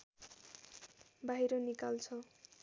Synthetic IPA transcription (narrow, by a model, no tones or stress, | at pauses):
baɦiɾonikalt͡sʰʌ